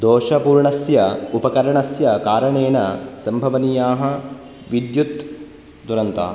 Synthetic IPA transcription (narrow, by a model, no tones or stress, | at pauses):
d̪oːʃɐpuːɾɳɐsjɐupɐkɐɾɐɳɐsjɐkaːɾɐɳeːnɐsɐmbʱɐʋɐnijaːɦɐ̆ | ʋid̪jut̪ | d̪uɾɐnt̪a̰ː